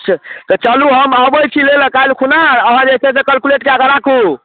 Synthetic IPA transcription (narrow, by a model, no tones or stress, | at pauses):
t͡ʃʰt̪ɔt͡ʃəluɦəmabəjt͡ʃʰilelə̃kalkʰunaəɦə̃d͡ʒet͡ʃʰɛs̬ekəlkuleʈkeəɡəɾakʰu